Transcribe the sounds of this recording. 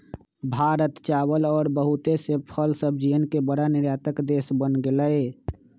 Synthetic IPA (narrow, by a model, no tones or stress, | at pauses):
bʱaɾət̪t͡ʃabəlɔːɾbəɦut̪esepʰəlsəb̚d͡ʒijənkebəɽanɪɾjat̪əkd̪esbənɡeləe